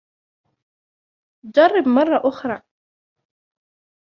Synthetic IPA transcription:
d͡ʒɑrˤːɪbmɑrˤːɑʔʊxɾˤɑː

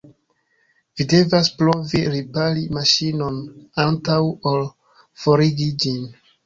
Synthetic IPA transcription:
vide̞vaspɾoviɾipalimaʃinonantawol | foɾiɡid͡ʒin

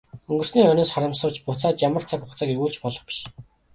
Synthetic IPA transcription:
ɵŋɡɵ̆r̥sniːœnɪ̆ːsχaɾə̆msə̆wt͡ɕpʊt͡saːt͡ɕjamə̆r̥t͡sʰakʊχt͡saːkiɣuːɮt͡ɕpɔɮɞ̆χpi̥ʃ

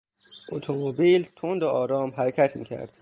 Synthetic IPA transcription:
ʔot̪ʰomobiːlt̪ʰond̪oʔɒːɾɒːmɦæɾecʰæt̪ʰmḭːcʲʰæ̰ɾd̪̥

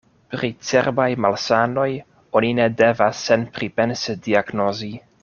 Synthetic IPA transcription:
pɾit͡sḛɾbajmalsano̞j | onine̞devasːenpɾipe̞nsediaɡno̞zi

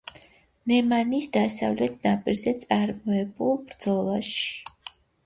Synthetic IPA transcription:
nɛmanisd̪asavlɛt̪̚ʰnapʼiɾzɛt̪sʼaɾmɔɛbulˠbɾd̪zɔlˠaʃi̥

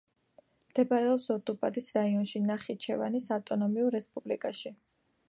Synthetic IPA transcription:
md̪̥ɛbaɾɛɔpsɔɾd̪upʼad̪isɾaiɔnʃinaχit͡ʃʰɛva̰nisaft̪ʼɔnɔmiuɾɛspʼublikʼaʃi

